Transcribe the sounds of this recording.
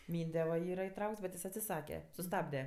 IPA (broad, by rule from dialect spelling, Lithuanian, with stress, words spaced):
ˈmʲiːnʲdʲɛ ʋɐ ˈiːrɐ ɪˈtrɐʊkts bʲɛt ˈjɪs ɐtʲsʲɪˈsɑːkʲɛ sʊˈstɑːbʲdʲɛ